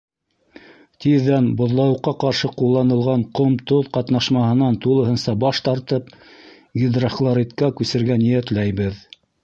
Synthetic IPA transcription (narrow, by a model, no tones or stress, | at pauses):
t̪iðːænbŏðlˠɑwɤ̆qːɑqɑɾʃɤqulˠːɑnɤ̆lˠʁɑɴqŏmt̪oðqɑt̪nɑʃmɑhɤ̆nɑnt̪ulˠɤ̆ɦɤ̆nsɑbɑʃt̪ɑɾt̪ɤp̚ | ɡʲid̪raχlˠɑɾit̪kækʉsɘ̆ɾɡænijæt̪læjβɘð